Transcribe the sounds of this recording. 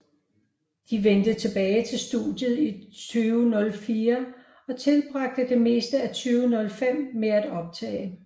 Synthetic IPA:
d̥iʋend̥ət͡sʰe̝b̥ɛːɪt͡sʰe̝lsd̥ṵd̥jð̞̩ˠit͡sʰyːʊnɔ̽lfiːɐ | ɒ̽t͡sʰe̝lb̥ʁɑ̈ɡ̥̚d̥əd̥e̝me̝̰ːsd̥əæt͡sʰyːʊnɔ̽lfem̰meæd̥ɒ̽b̥̚t͡sʰɛ̰ːɪ

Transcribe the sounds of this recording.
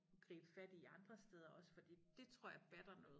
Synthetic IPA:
ɡ̥ʁḭːb̥əfæd̥iːɑ̈nd̥ʁɐsd̥eːð̞ˠɐʔɒ̽sə̥fɒ̽d̥ḭːd̥e̝t͡sʰʁo̝ɐ̰jɑ̈b̥æd̥ɐnɔ̽ːð̩ˠ

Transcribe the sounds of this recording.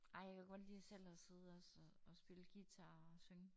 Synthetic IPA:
ɑ̈ɪ̰jɑ̈kʰæɡ̥ɒ̽d̥liːɒsel̰ɒse̝ð̞̩ˠɒsɒɒsb̥e̝ləɡ̥it͡sʰæɒsøŋ

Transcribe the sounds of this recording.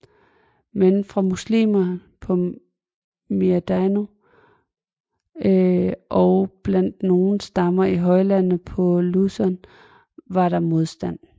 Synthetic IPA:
menfʁɑ̈muslḭːmɐpʰɒ̽ | miæd̥æno | ʔɒʊb̥læn̰d̥no̝ːn̩sd̥ɑ̈mɐiɦɒ̽ɪlæn̩pʰɒ̽lusɒn | ʋɑ̈ɾ̥ɑ̈mo̝ð̞ˠsd̥æn̰

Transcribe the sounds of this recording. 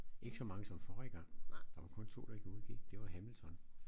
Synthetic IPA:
ʔe̝ɡ̥əsɒ̽mɑ̈ŋəsɒ̽mfɒːʁeɡ̥ɐd̥ɑ̈ʋɑ̈kʰɔ̽nt͡sʰo̝̰ːd̥ɑ̈e̝ɡ̥əuðˠɡ̥ḭɡ̥d̥e̝ʋɑ̈ɦæml̩t͡sʰɒ̽n

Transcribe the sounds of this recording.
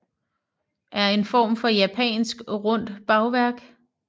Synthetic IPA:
ʔæɐe̝nfɒ̰ːmfɒ̽jæpʰɛ̰ːnsɡ̥ʁɔ̽n̰d̥b̥ɑ̈ʊʋæɐ̰ɡ̥

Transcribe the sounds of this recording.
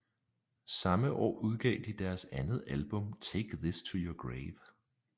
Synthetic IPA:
sɑ̈məʔɒ̰ːuð̞ˠɡ̥ɛ̰ːd̥id̥æɐsænð̞̩ˠælb̥ɔ̽mt͡sʰeɡ̥ðist͡sʰujoɡ̥ʁeɪʋ

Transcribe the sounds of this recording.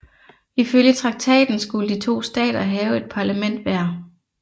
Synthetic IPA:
iføljət͡sʰʁɑ̈ɡ̥̚t͡sʰɛ̰ːd̥n̩sɡ̥uləd̥it͡sʰo̝̰ːsd̥ɛ̰ːd̥ɐɦɛːʊe̝d̥̚pʰɑ̈læmen̰d̥ʋæɐ

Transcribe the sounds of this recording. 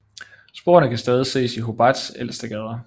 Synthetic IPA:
sb̥o̝ːɐnəkʰæsd̥ɛːð̞ˠise̝̰ːsiɦo̝b̥ɑd̥selsd̥æɡ̥ɛð̞ˠɐ

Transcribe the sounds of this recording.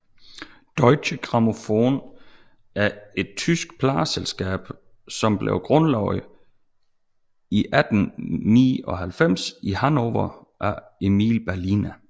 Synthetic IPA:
d̥ɒɪɕəɡ̥ʁɑ̈mo̝foːn | ʔæɐe̝d̥̚t͡sʰysɡ̥̚pʰlɑ̈ːselsɡ̥ɛ̰ːb̥ | sɒ̽mb̥lḛʊɡ̥ʁɔnlɑʊ̰ð | iʔæd̥n̩nḭːɒ̽ɦælfem̰sihænoʋɐ | ʔæ | e̝mḭːlb̥æɐlinæ

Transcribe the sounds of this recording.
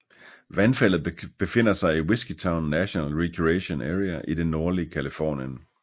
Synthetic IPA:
ʋænfæl̰ð̞̩ˠb̥e̝fe̝n̰ɐsɑ̈ɪiwe̝sɡ̥it͡sʰɑ̈ʊnːæɕonælʁekʰieɕo̝nʔæːʁiæʔid̥enːo̝ɐliəkʰælifɒ̰ːnjən

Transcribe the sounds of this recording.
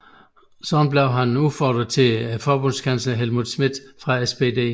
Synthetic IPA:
sɒɒmb̥leʊɦænufɒ̰ːd̥ʁɐt͡sʰe̝fɒːb̥ɔ̽n̰skʰænslɐɦelmuðˠsmid̥ˠfʁɑ̈esb̥e̝d̥e̝̰ː

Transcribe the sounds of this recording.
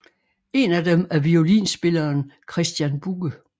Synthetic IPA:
e̝næd̥emæɐʋio̝lḭːnsb̥e̝lɐːnkʰʁɛsd̥jænb̥uɡ̥ə

